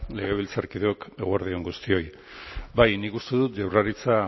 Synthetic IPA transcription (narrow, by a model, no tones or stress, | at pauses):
le̞ɣ̞e̞β̞ilt͡saɾkiðuoke̞ɣoaɾðioŋɡust̪io̞j | bajnikust̪e̞ðut̪ʝawraɾit͡sa